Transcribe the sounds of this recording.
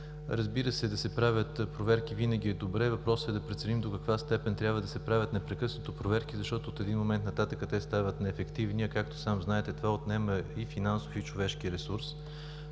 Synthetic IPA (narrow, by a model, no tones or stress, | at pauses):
ɾəzbiɾəsɛd̪ɐsɛpɾavʲjət̪pɾovɛɾkivinəɡ̟ʲiɛd̪obɾɛvɐpɾɔsɛd̪ɐpɾɛt̪sɛnimd̪okɐkvast̪ɛpɛnt̪ɾʲjabvəd̪ɐsɛpɾavʲət̪nɛpɾɛkɤsnot̪opɾovɛɾkizɐʃt̪ɔt̪oːt̪ɛd̪inmomɛnt̪nɐt̪at̪əkət̪ɛst̪avət̪nɛːfɛkt̪ivniɐkak̚t̪o̥samznaɛt̪ɛt̪ovaot̪nɛməifinansofit͡ʃovɛʃkiɾɛsuɾs